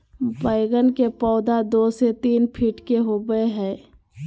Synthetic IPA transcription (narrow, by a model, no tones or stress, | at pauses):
bəɪɡənkepɔːd̪ad̪oːset̪iːnpʰiʈkeɦoɡəeɦɛ̃ː